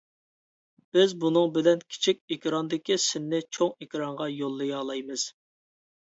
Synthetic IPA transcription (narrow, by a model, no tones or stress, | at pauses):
b̥ɪzbunɨŋbɪlɛnkʲʰi̥t͡ʃʰik̚ʲekʲɾɑnd̪ɪkʲisɪnːɪt͡ʃʰoŋekʲɾɑɴʁɑjolˠːɨjɑlˠɑjmɨz̥